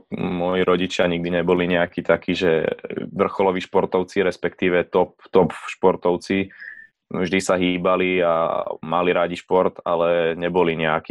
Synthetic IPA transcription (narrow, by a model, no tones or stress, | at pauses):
mʊɔjiɾɔɟit͡ʃɪaɲiɡ̚d̪iɲɛbɔliɲɛakiːt̪akiːʒɛʋr̩xɔlɔʋiːʃpɔɾt̪ɔʊt͡siɾɛspɛkt̪iːʋɛt̪ɔp̚t̪ɔpʃpɔɾt̪ɔʊt͡si | vʒd̪isaɦiːbalia̰maliɾaɟiʃpɔɾt̪a̰lɛɲɛbɔliɲɛakiː